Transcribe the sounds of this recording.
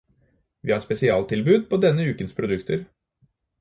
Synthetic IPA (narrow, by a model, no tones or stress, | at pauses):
ʋiːhɑːspɛsɪɑːlt̪ʰɪlbʉːd̪̚pʰoːd̪ɛnːəʉːkənspʰɾʊd̪ʉkt̪əɾ